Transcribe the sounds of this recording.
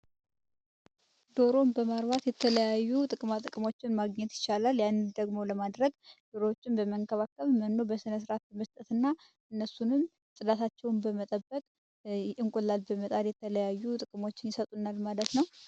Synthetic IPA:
d̪o̞ɾo̞mbəmaɾβat̪jɛt̪ʰələjajːut̪ʼɨkʼmat̪ʼɨkʼɨmo̞t͡ʃːɪnmaɡɲɛt̪jɪ̥t͡ʃːalaljand̪əɡmo̞ləmad̪ɾəɡd̪̥oɾoot͡ʃːɪnbəməŋkʰəβakːəβmənːo̞bəsɨnəs̬ɨɾat̪̚bəməst̪ʼət̪ɨnːa | ʔɨnːəsunɨm | sʼɨd̪at̪ʰat͡ʃːɛwnbəmət̪ʼəbːəkʼ | ʔɨŋkʼulːalbəmət̪ʼad̪jɛt̪ʰələjajːut̪ʼɨkʼɨmo̞t͡ʃːɪnjɪsət̪ʼunalmalət̪nəw

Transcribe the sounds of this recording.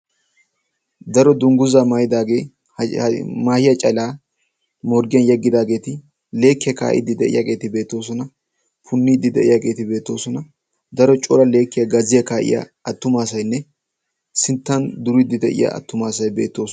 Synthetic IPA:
d̪ɐɾɔd̪ʊŋɡʊzaːmɐjɪd̪aːɡe̞ː | maːhɪjɐt͡ʃʼɐlaː | mɔɾɡɪjɐnjɛɡːɪd̪aːɡe̞ːt̪ɪ | le̞ːkːɪjɐka̰ːʔɪ̰d̪ːɪd̪ɛʔɪ̰jɐ̰ɡe̞ːt̪ɪbe̞ːt̪ːo̞ːsɔnɐ | pʰʊnːiːd̪ɪd̪ɛ̰ʔɪjaɡe̞ːt̪ɪbe̞ːt̪ːo̞ːsɔnɐ | d̪ɐɾɔt͡ʃʼɔlɐle̞ːkːɪjɐɡɐzɪjɐkaːʔɪ̰jɐ̰ | ɐt̪ːʊmaːsɐjnːɛ | sɪnt̪ːɐnd̪ʊɾid̪ɪd̪ɛʔɪ̰jɐ̰ɐ̰t̪ːʊmaːsɐjbeːt̪ːo̞ːs

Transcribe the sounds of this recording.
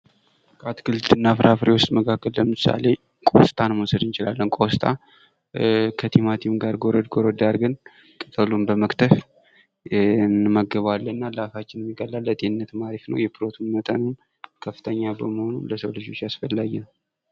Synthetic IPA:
kʼat̪kʰɨlt̪ɨnːafɨɾʔafɨɾewʊst̪ʼməkʰakːəlləmɨsa̰le̞ | kʼo̰st̪ʼanmosəd̪ɨnt͡ʃɪlalːənkʼost̪ʰʼa̰ | kʰət̪ʰimat̪ʰimɡaɾɡoɾəd̪ɡoɾəd̪aɾɡɨn | kʼɨt̪ʼəlunbəməkt̪ʰəf | ɨnːɨməɡəβalːəɨnːalafat͡ʃːɪnɛmːiɡʼəlːalːət̪ʼenɨnːət̪maɾifnə̰wjɛpʰɨɾot̪ʰunmət̪ʼənun | kʰəfːɨt̪ʰəɲːabəməho̞nuləsəwlɨd͡ʒo̞t͡ʃːjasfəlːaɡɛn

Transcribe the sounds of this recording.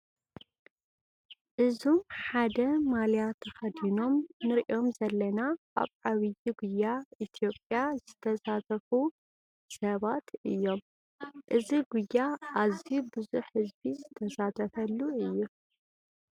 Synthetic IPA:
ʔɨzomħad̪ɐmalijat̪ʰɐxɐd̪ino̞mnɨɾiʔo̞mzɐlːɐna | a̰βʔaβijiɡʊjːait̪ʰjo̞pʼjazɨt̪ʰɐsat̪ʰɐfu | sɐβat̪ɨjːo̞m | ʔɨziɡujːaʔazibɨzuħhɨzbizɨt̪ʰɐsat̪ʰɐfɐlːuɨjːu

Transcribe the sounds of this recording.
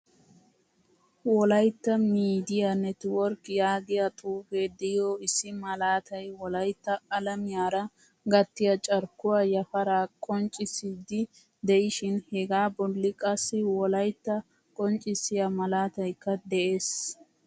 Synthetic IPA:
wɔlɐjt̪ːɐmiːd̪ɪjanɛt̪wɔɾkjaːɡɪjɐt̪ʼuːfeːd̪ɛoːɪsːɪmɐlaːt̪ʰɐjwɔlɐjt̪ːɐːlɐmɪjaːɾɐ | ɡɐt̪ːɪjɐt͡ʃʼɐɾkʊwaːjɐfɐɾaːkʼɔnt͡ʃʼɪsiːd̪ɪ | d̪ɛjɪʃɪnhɛɡaːbɔlːɪkʼɐsːɪwɔlɐjt̪ːɐ | kʼɔnt͡ʃʼɪsɪjɐmɐlaːt̪ɐjkːɐd̪ɛʔeːs

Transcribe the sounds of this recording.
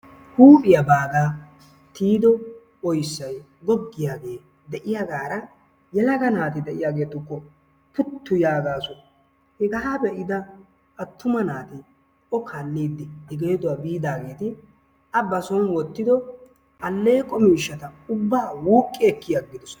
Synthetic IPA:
huːpʼɪjɐbaːɡ̪aː | t̪iːd̪ɔ | ɔjsːɐj | ɡɔɡːɪjaːɡe̞ː | d̪ɛʔɪjaɡaːɾɐ | jɛlɐɡɐnaːt̪ɪd̪ɛʔɪjaːɡe̞ːt̪ʊkːɔ | pʊt̪ʰːʊjaːɡaːsʊ | hɛɡɐɦaːbɛʔɪd̪ɐ | ʔɐt̪ːʊmɐnaːt̪ɪ | ɔkʰaːlːiːd̪ːɛɪɡɛjd̪ʊwabiːd̪aːɡe̞ːt̪ɪ | ʔɐbɐsɔnwɔt̪ːɪd̪ɔ | ʔɐlːe̞ːkʼɔmiːʃːɐt̪ɐʊbːaːwuːkʼːɪɛkːɪjɐɡːɪd̪ɔs

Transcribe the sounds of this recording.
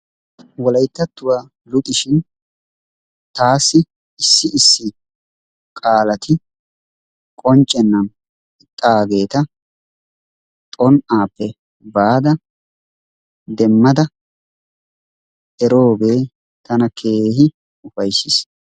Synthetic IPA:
wɔlɐjt̪ːɐt̪ːʊwaː | lʊt̪ʼɪʃɪn | t̪aːsːɪ | ɪsːɪɪsːɪ | kʼaːlɐt̪ʰɪ | kʼɔnt͡ʃʼːɛnːɐn | ɪt̪ʼːaɡe̞ːt̪ɐ | t̪ʼɔnaːpːɛ | baːd̪ɐ | d̪ɛmːɐd̪ɐ | ɛɾo̞ːɡeː | t̪ɐnɐkʰeːhɪ | ʊfɐjsːɪs

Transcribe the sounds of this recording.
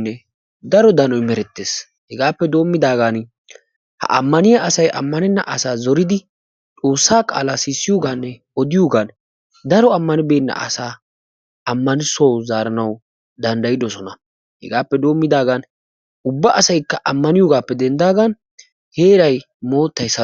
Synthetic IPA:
nːɛ | d̪ɐɾɔd̪ɐnɔjmɛɾɛt̪ːeːs | hɛɡaːpːɛd̪o̞ːmːɪd̪aːɡan | hɐ̰ʔɐ̰mːɐnɪjaʔɐsɐjʔɐ̰mːɐnɛnːɐʔɐsaːzɔɾɪd̪ɪ | t͡sʼo̞ːsːaːkʼa̰ːlasɪsːɪjoɡaːnːɛ | ɔd̪ɪjuɡan | d̪ɐɾɔɐmːɐnɪbe̞ːnːɐ̰ʔɐ̰saː | ɐmːɐnɪsɐwzaːɾɐnɐw | d̪ɐnd̪ɐjɪd̪ɔsɔnɐ | hɛ̰ɡaːpːɛd̪o̞ːmːɪd̪aːɡɐn | ʊbːɐʔɐsɐjkːɐʔɐmːɐnɪjoɡaːpːɛd̪ɛnd̪aːɡɐn | he̞ːɾɐj | mo̞ːt̪ːɐjsɐ

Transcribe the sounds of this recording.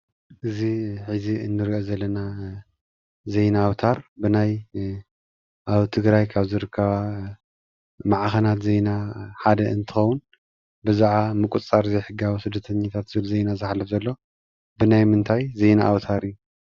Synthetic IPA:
ʔɨziħiziɨnːɨɾiʔozɐlːɐna | ze̞jnaːwt̪ʰaɾbɨnaj | ʔaβt̪ʰɨɡɾajkʰaβzɨɾɨkʰːɐβa | maʕxɐnat̪ze̞jnaħad̪ɐɨnt̪ʰɨxɐwːun | bɨzaʕamɨkʼut͡sʼaɾzɐjħɨɡawusɨd̪ːɐt̪ʰɐɲːat̪ʰat̪z̥ɨβɨlzejnazɨħlːɐfzɐlːo̞ | bɨnajmɨnt̪ʰajze̞jnaʔːwt̪ʰaɾijːu

